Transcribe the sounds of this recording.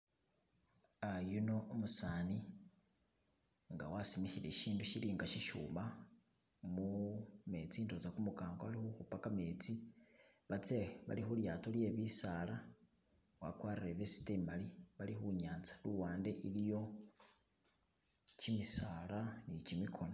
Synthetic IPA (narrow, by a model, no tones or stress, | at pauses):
ajunoomusaːni | ŋɡa̰wasimixiɾeʃiːnduʃiliːŋɡaʃiʃṵːma | mume̞ːt͡siːnto̞zakumukaːŋɡoalixuxupakameːt͡si | βat͡seeβa̰lixuljaːtolje̞βisala | wa̰kwaːɾiɾeβesi̥temaliβalixuɲaːnt͡sḁluwaːnde̞ʔilijo̞ | cimisaːlanicimikʰo̞no